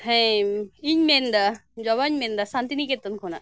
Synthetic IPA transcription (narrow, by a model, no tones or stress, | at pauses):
hɛ̃iɲmend̪ad͡ʒɔʋaɲmend̪asãnt̪iniket̪ːənkʰona̰